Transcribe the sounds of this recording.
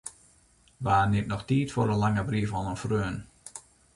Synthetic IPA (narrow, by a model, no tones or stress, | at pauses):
ʋaːnemnɔxtiːtfoɾəlaŋəbriəfɔnənfrøːn